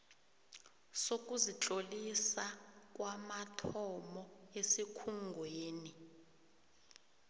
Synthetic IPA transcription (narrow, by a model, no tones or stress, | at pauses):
sok̬ʼuzit͡ɬʼolisak̬ʼwamatʰɔmɔesikʰuŋɡʱweːni